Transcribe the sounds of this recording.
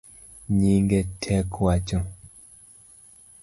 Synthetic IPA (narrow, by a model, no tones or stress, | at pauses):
ɲiŋɡetʰɛkʰwat͡ʃɔ